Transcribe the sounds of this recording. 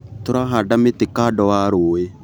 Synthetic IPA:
t̪ʊɾaɦaɖamɪt̪ɪkaːdɔwaɾoːe

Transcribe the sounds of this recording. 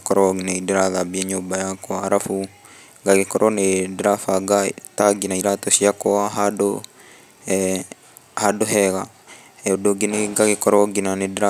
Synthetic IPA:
kɔɾɔneidiɾaðabiɛɲoːbajakwaɾafu | ŋɡaɣekɔɾɔnedɾafaɡataɡinaiɾatɔʃiakɔaɦado | hadoɦɛɣa | ɛodoɡeneɡaɣekɔɾɔɡinanedɾa

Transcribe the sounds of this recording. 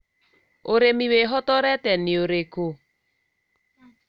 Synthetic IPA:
oɾemiweɦɔtɔɾɛtɛnioɾeko

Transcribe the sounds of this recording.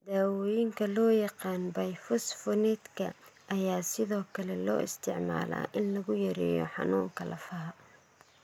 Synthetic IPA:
d̪aːwɔːjɪŋkʰɐlɔːjɑqɑːnbɐjfɔsfɔnɛt̪kʰɐ̰ʔɐjaːsɪðɔːkʰɐlɛlɔ̰ːʔɪst̪ʰɪʕma̰ːla̰ːʔɪnlɐɣʊjɐɾɛ̰ːjɔ̰ħɑ̰nuːŋkʰɐlɐ̰fɐɦɐ

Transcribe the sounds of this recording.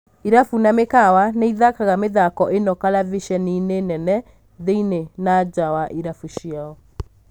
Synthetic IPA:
iɾafunamekawaneiðakaɣameðakɔʔenɔkalaviʃɛninenɛnɛ | ðeinenad͡ʑawaʔiɾafuɕjiaɔ

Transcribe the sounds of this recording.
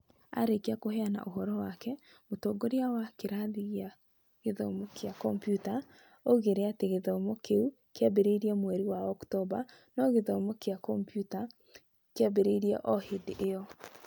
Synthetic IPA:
a̰ɾekeakoheana̰ʔoɦɔɾɔwakɛ | motoɡoɾeawakeɾaðiɣja | ɣeðomokjakɔmpjuta | oɣeɾeateɣeðomokeu | keabeɾeiɾiɛmwɛɾiwaɔktɔba | nɔɣeðomokeakɔmpjuta | keabeɾeiɾiɛ̰ʔɔhedʔejɔ

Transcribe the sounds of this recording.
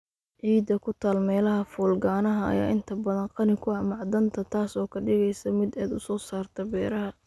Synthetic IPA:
ʕiːd̪ɐkʰʊt̪ʰaːlmɛːlɐɦɐfɔːlɡaːnɐɦɐɐ̰ja̰ːʔɪnt̪ʰɐbɐðɐnqɑnɪkʰʊɐhmɑʕd̪ɐnt̪ʰɐt̪ʰaːsɔːkʰɐɖɪɣɛjsɐmɪd̪ɛːd̪ʊsɔːsaːrt̪ʰɐbɛːɾɐɦɐ

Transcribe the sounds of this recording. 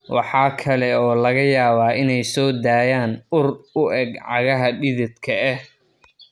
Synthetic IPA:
wɑ̰ħɑːkʰɐlɛɔːlɐɣɐjaːβaːʔɪnɛjsɔːd̪aːjaːnʊrʊʔɛɡʕɑɣɐɦɐɖɪðɪd̪kʰɐɛh

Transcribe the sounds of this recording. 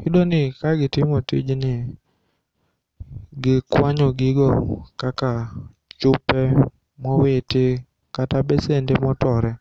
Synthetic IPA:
idonɪkaɡɪtɪmotḭd͡ʒnɪ | ɡɪkwaɲɔɡɪɡɔkaka | t͡ʃʊpɛ | mɔwetɪ | katabɛsendemɔtɔɾɛ

